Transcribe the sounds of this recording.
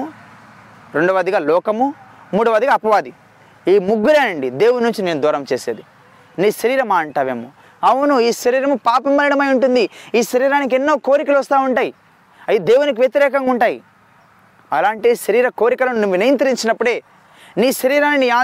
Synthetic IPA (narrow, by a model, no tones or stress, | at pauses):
ɾe̞ɳɖuʋɐd̪iɡaːlɔːkɐmu | muːɽuʋɐd̪iɡaːpɐʋaːd̪i | iːmuɡːuɾeːnɐɳɖid̪e̞ːwunnːuɲt͡ʃine̞ːnud̪ɔːɾɐmt͡ʃeːseːd̪i | niːʃɐɾiːɾɐmaːɐɳʈaːʋeːmo̰ | ɐwunuiːʃɐɾiːɾɐmupaːpɐmbɐliɽɐmɐjuɳʈund̪iiːʃɐɾiːɾaːnik̬enːo̞ːko̞ːɾikɐluʋɐst̪aːuɳʈaːji | ɐjud̪e̞ːwunik̬iʋjɐt̪iɾɛːkɐŋɡuɳʈaːji | ɐlaːɳʈiʃɐɾiːɾɐko̞ːɾikɐlɐnuniʋinɐjɐnt̪ɐɾiɲt͡ʃinɐpːuɽe̞ː | niːʃɐɾiːɾaːniniːaː